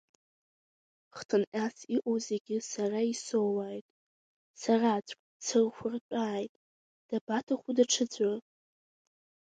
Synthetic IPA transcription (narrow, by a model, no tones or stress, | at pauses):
χtʰɨnʔʲʼasiʔʷʼoze̞ɡʲɪsaraisowajtʼ | sarat͡sʷʼkʼt͡sʰɨrχʷʊrpʼaːjtʼ | d̥abatʰaχʷudaʈ͡ʂʰɨd͡zʷar